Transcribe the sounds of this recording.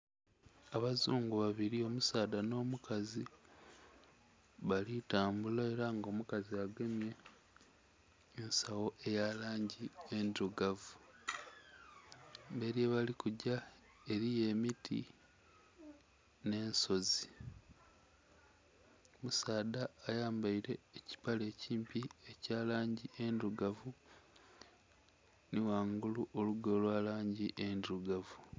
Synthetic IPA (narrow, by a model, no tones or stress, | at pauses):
aβazuːŋɡuβaβiɾio̞musaːdano̞ːmukazi | βalitaːmbulae̞ɾaŋɡo̞mukaziaɡe̞mje̞ | nsawoʔe̞jalaːɲɟientuɡavu | be̞ɾjeβalikuɟa | e̞ɾije̞mitʰḭ | ne̞ːnso̞zi | musaːdaːjaːmbaiɾe̞ːci̥pale̞ːciːmpie̞caːlaːɲɟiʔe̞nduɡavu | niwaːŋɡuluʔo̞luɡo̞ːlwaːlaːɲɟiʔenduɡavu